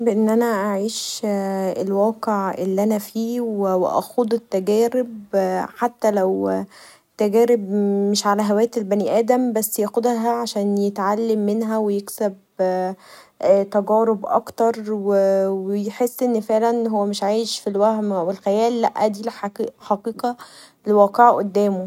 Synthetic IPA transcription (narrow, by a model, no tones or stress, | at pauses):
beʔenːʔænæʔaʕiːʃ | elwæːqeʕʔḛlːiʔænæfiːwewʔæ̰xod̪ˤet̪ːæɡæːɾebħat̪ːælæw | t̪ːæɡæːɾebmeʃʕalæɦæwæːjt̪elbæniːʔæːd̪æmbæsːjæʔxod̪ɦæʕaʃæːnjet̪ʕalːemːenɦæwejeksæb | t̪æɡæːɾebʔɑ̰kt̪ɑɾˤwewejħesːʔenːfeʕlænɦowːæmeʃʕaːjeʃfilwæhmʔæwelxæjæːlːæʔːæd̪iːlħħɑqiːqɑ | lewæːqeʕʔod̪ːæːmo